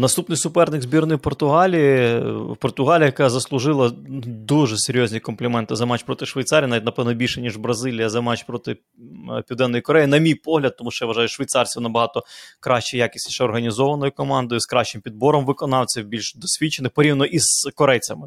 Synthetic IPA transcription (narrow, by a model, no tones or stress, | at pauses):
nɐst̪upnɪjsʊpɛrnɪɡzʲbʲirnɪjɪpɔrt̪ʊɦɑlʲijɪpɔrt̪ʊɦɑlʲijɐjɐkɑzɐslˠʊʒɪlˠɐd̪uʒɛseɾʲjɔzʲnʲikɔmplʲɪmɛnt̪ɪzɐmɑt͡ʃpɾɔt̪ɪʃʋejt̪sɑɾʲijɐnʋʲit̪ʲnɐpɛʋnɔbʲilʲʃɛnʲiʒbɾɐzɪlʲijɐzɐmɑt͡ʃpɾɔt̪ɪ | pʲiwd̪ɛnːɔjikɔɾɛjinɐmʲijpɔɦlʲɐd̪̚t̪ːɔmuʃt͡ʃɔjʋɐʒɑjʊʃʋʲɐjt̪sɑrsʲinɐbɐɦɑt̪ɔkɾɑʃt͡ʃɛjakʲi̥sʲtʲʃɛɔrɦɐnʲizɔʋɐnɔjʊkɔmɑnd̪ɔjʊskɾɑʃt͡ʃɪmpʲid̪bɔɾɔmʋɪkɔnɑwt͡sʲɐbʲilʲʃd̪ɔsʲʋʲit͡ʃːenɪxpɔɾʲiʋnnɔʔizkɔɾɛjt͡sʲɐmɪ